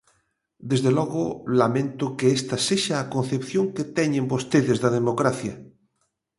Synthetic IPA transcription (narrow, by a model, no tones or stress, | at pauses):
d̪ezðelɔɣolamẽnt̪ʊkeest̪aseʃaːkon̟θepθjoŋket̪ɛɲẽmbost̪eðezðaðemokɾaθja